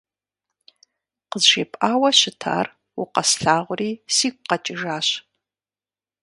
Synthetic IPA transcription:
qəzʒeːpʼʔaːwɐɕɪtʰa̰ːr | wʊqɐsɬaːʁʷʊriːsiːkʷʼqɐt͡ʃʼɪʒaːɕ

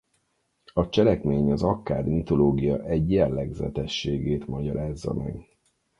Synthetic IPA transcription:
ɒt͡ʃɛlɛkmeːɲɒzɒkːaːd̪mit̪o̞loːɡijɒʔɛɟjɛlːɛɡzɛ̰t̪ɛʃːeːɡeːt̪mɒɟɒɾaːzːɒ̰mʔɛ̰ɡ

